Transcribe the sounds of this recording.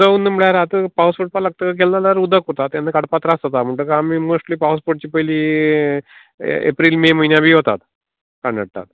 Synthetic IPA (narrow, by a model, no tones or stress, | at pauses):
aunːəməɭjaɾat̪əpawsfoʈ̚paləɡ̚t̪ək̬elːalaɾud̪əkuɾt̪at̪janːəkaɽpat̪ɾasɦot̪am̤əɳʈəkaːmimosʈliːpawsfoʈ̚t͡ɕiːpəjliː | ḛpɾiːlmeməɦinjabʱiːɦot̪at̪ | kaɳɖəɽt̪a̰t̪